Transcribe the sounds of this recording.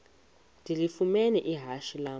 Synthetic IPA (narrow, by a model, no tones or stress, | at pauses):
ndʱilifumɛnɛʔiɦaʃilaː